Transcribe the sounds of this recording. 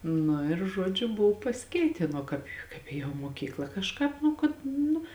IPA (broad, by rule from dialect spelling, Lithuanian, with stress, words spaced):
ˈnʊ ɪr ˈʒuɔd͡ʒʲʊ ˈbʊw pɐsʲɪˈkʲɛɪtʲeːn ˈoː kɑːp kɐɪp ˈeːjoːm moːˈkʲiːklˠɐ kɐʃˈkɑːp ˈnʊ kɐt ˈnʊ